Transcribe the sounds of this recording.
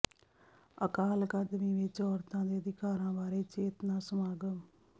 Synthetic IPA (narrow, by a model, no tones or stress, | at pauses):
əkaːlkad̪mĩːʋɪt͡ʃɔːɾt̪ãːd̪eːəd̪ɪkaːɾãːbaːɾeːt͡ʃeːt̪naːsəmaːɡəm